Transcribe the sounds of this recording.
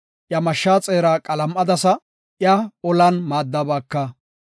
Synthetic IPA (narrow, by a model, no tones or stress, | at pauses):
ʔjɐmɐʃːaːt͡sʼe̞ːɾaːkʼɐlɐmʔɐd̪ɐsɐ | ʔjɐɔlɐnmaːd̪ːɐbɐːkːɐ